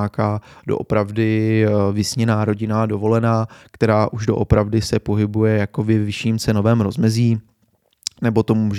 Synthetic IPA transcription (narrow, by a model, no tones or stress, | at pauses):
aːkaːdo̞̰ʔopɾavdɪvɪsɲɛnaːɾo̞ɟɪnaːdo̞vo̞lɛnaːkt̪ɛɾaːʔuʒdo̞ʔopɾavdɪsɛpo̞ɦɪbujɛjako̞bɪvɪʃiːmt͡sɛno̞vɛːmɾo̞zmɛziː | nɛbo̞t̪o̞muːʒ